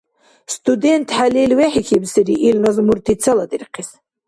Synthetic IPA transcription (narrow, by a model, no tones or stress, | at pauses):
st̪ʰʼud̪ent̪ʰħalilwɛħikʰibsɨɾiʔilnazmuɾt̪ʰit͡sʰalad̪irqʰis